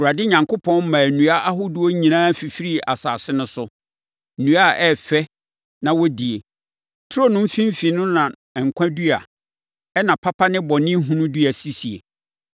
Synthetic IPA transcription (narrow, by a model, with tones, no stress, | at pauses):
u˨a˨dɪ˦ɲã˨ŋko˦pʰɔ̃˦n̩˦mã˨nũ˨a˦ʔa˦ɦʊ˦du˦o˦ɲĩ˨nãː˦fi˨fi˦ɾi˦˨a̰˨saː˨sɪ˦nʊ̃˦sʊ˦˨ | nũ˨˦a˦ʔɛ˦˨fɛ˦ | nã˨wɔ˦di˨e˨ | tʰʊ˦o˦˨nʊ̃˦m̩˦fĩ˦m˦fi˨nʊ̃˦nã˨ | ɛ˨ŋ̩˨kʷʰã˦du˦a̰˨ | ɛ˦nã˨pʰa˦pʰa˦nɪ̃˦bɔ˨nɪ̃˦ɦũ˦nʊ̃˦du˦a˨si˦si˨ḛ˨